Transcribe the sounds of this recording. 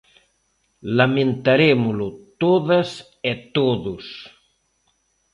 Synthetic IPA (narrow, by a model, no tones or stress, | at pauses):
lamẽnt̪aɾemolot̪oðɐs | et̪oðus